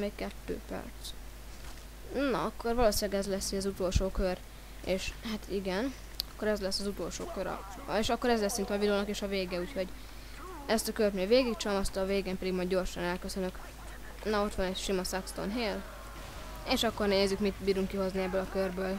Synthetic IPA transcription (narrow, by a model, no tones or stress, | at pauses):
meːkkɛt̪ːø̰ːpɛ̰rt̪s | nɒ̰ɒkːo̞rvɒloːsilɛɡɛzlɛsːiɒzut̪olʃoːkør | eːʃhat̪ʰiɡɛn | ɒkːoɾɛzlɛsːɒzut̪o̞lʃo̰ːkøɾɒ̰ | eːʃɒkːoɾɛzlɛsːint̪ɒviloːnɒkeːʃɒveːɡɛuːcho̞ɟ | ɛst̪ɒkørt̪neːlveːɡikt͡ʃɒmɒst̪ɒveːɡeːmpɛd̪iɡmɒjd̪ːo̞rʃɒnɛlkøsønøk | nɒo̞t̪ʋɒnɛʃimɒsakst̪o̰nɦeːl | eːʃɒkːo̞rnɛjɛzykmit̪biːɾuŋkːiɦo̞zniɛbːøːlɒkørbøːl